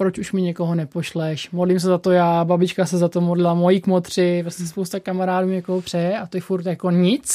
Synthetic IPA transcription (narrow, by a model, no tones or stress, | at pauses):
pɾot͡ʃuʃmɪɲɛkoɦonɛpoʃlɛʃmodlims̬ɛzat̪ojaːbabɪt͡ʃkasɛzat̪omodlɪlamojikmot̪r̝̥ɪpɾosɛspowst̪akamaɾaːduːɲɛkoɦopr̝̥ɛjɛʔat̪ojɛfuɾt̪jako̞ɲɪt͡s